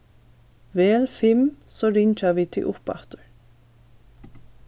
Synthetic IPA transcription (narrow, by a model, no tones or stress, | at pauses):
ʋeːlfɪm | soːɾɪɲt͡ʃɑʋiːt̪ʰɪ̰ʔʊpɑ̰t̪əɹ